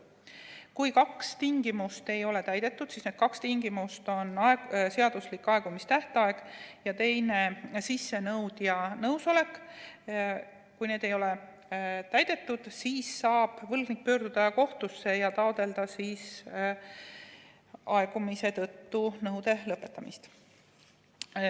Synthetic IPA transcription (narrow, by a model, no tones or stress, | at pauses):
kujkɑkst̪iŋɡimust̪e̞jo̞le̞t̪æjd̪̥e̞t̪ːˑud̪̥siːsned̪̥kɑkst̪iŋɡimust̪o̞nɑese̞ɑd̪̥uslikːˑɑe̞ɡ̥umist̪æht̪ɑe̞ɡ̥jɑt̪e̞jne̞sisːe̞nɤwd̪jɑnɤwso̞le̞kː | kujne̞ːd̪e̞jo̞le̞ | t̪æjd̪̥e̞t̪ːud̪̥siːsːɑːb̥vɤlɡnik̚pø̞ːɾd̪̥ud̪̥ɑjɑko̞ht̪usːe̞jɑt̪ɑod̪e̞ld̪̥ɑsiːs | ɑe̞ɡ̥umise̞t̪ɤt̪ːunɤwd̪e̞lɤpːˑe̞t̪ːˑɑmist̪